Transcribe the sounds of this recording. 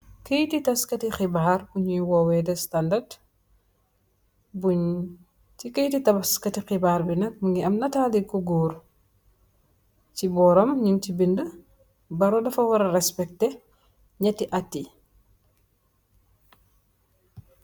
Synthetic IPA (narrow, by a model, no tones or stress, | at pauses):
kəjtitɐskɐtixibaːɾbuɲujwɔwɛdɛstandɐrd | buɲ | tikəjtitɐbɐskɐtixibaːɾbinɐk̚mɐŋɡiɐmnɐtalikɔɡuːɾ | cibɔɾɔmɲuntibində | bɐɾɔdɐfɐwɐɾɐɾɛspɛk̚tɛ | ɲɐtːiʔatːi